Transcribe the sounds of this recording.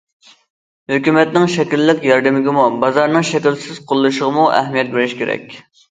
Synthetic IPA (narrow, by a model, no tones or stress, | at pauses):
høkʲymɛt̪nɪŋʃɛkʲilːɪkʲjɑɾd̪ɪmɪɡʲɪmubɑzɑɾnɨŋʃɛkʲilsɪz̥qʰolˠːɨʃəʁəmuʔɛ̰ɦmijɛt̪̚belɪʃkʲʰeɾɛ̰kʲ